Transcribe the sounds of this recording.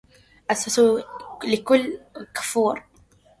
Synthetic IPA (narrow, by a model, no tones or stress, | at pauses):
ʔasasulɪkʊlːkḁfuːɾˤ